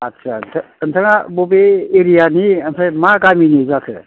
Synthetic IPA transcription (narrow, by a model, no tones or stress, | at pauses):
at͡ʃʰant̪ʰ | ənt̪ʰəŋabobeeɾijaniənsʰajmaɡaminizakʰɯ̰